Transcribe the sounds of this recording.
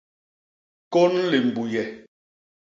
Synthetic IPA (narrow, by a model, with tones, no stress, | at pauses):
ko˦nle˨m̩˨bu˨jɛ˨